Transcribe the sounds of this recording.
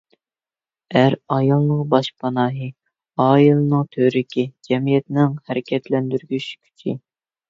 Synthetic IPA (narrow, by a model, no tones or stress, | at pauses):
æɾɑjɑlˠnɨŋbɑʃpʰɑnɑːɦɨ | ɑːilˠɨnɨŋt̪ʰøɾɪkʲʰid͡ʒɛmijɛt̪nɪŋhæɾɪkʲʰɛt̪ʰlɛnd̪yɾɡʲyʃkʲʰy̥t͡ʃʰi